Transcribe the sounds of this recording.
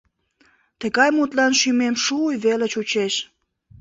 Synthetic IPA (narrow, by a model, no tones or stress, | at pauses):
t̪əɣɑjmut̪lɑnʃymemʃujβelət͡ɕut͡ɕeʃ